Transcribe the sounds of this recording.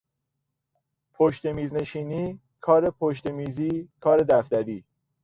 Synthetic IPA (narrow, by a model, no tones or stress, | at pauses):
pʰoʃt̪e̞miːzne̞ʃiːniː | kʰɒːɾe̞pʰoʃt̪e̞miːziːkʰɒːɾe̞d̪æft̪æɾiː